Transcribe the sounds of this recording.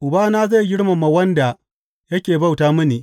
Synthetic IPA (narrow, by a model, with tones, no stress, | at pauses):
ʔʊ˨baː˦naː˦za˦˨ɡʲɪ˦ɽma˨ma˨wɐ˦nda˨ | jɐ˦kʲeː˨ba˦wtaː˦mʊ˦niː˨ʔ